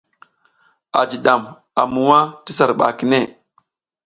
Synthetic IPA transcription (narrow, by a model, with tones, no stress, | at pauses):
a̰˨d͡ʒi˨ɗa˨m | a˨mu˨wa˦ti˦sa˨ɾɓa̰˨ki˦ne˦˨